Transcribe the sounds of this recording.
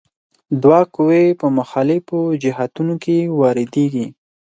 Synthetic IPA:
d̪wɑkowepəmʊxɑlɪfod͡ʒɪɦat̪unokewɑɾɪd̪eɡi

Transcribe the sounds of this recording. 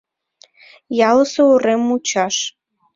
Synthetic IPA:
jɑləsouɾemut͡ɕɑʃ

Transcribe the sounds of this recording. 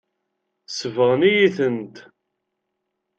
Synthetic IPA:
səvəʁənijiθənt̪

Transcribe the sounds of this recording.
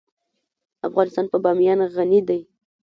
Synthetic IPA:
afɣɑnɪst̪ɑnpəbɑmjɑnɣanid̪aj

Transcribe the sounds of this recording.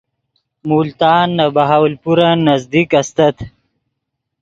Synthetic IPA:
mult̪ɑːnːabaɦaːwlpuɾanazd̪ikɐst̪ɐt̪

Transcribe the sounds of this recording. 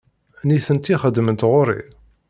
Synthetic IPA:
niθənt̪iχəd̪ːmənt̪ʁʊɾḭ

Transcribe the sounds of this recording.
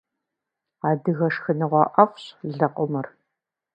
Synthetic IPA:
aːdɨɣɐʂxɨnɨʁʷɑːʔɐfɕɮɐqʷʼɔmɨr

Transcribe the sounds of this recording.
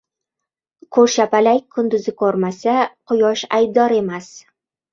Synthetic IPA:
kʰɵɾʃapalajʲkʰʊnd̪ʊzɪkʰɵɾmasaqʰʊjɒʃajb̚d̪ɒɾe̞mas

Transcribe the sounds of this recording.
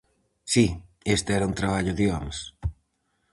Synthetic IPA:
siest̪eɛɾɐunt̪ɾaβ̞aʎʊðioms

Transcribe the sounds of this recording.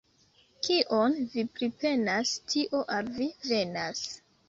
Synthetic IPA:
kiʔonvipɾipe̞nastʰiʔo̞ʔalvive̞nas

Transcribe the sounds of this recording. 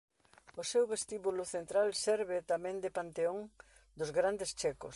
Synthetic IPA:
ʊsewβest̪iβulʊθent̪ɾalsɛɾβɪt̪amẽnd̪ɪpant̪eoŋ | d̪ʊzɣɾand̪est͡ʃɛkʊ̰s

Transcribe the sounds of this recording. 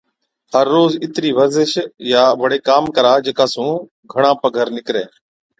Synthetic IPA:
ɦəɾːoːzɪt̪ɾiːʋəɾzɪʃjaːʋəɽeːkaːmkəɾaːd͡ʒeːkaːsũː | ɡʱəɽ̃ãːpəɡʱəɾnɪkɾeː

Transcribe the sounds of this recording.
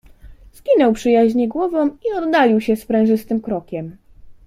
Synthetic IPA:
z̥ɡʲinɔwpʂɘjaʑɲɛɡwɔvɔ̃wiɔd̪ːalʲiwɕɛspɾɛ̃w̃ʐɘst̪ɘmkɾɔkʲɛm

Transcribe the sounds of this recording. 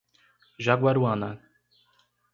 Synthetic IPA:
ʒaɡwaɾwana

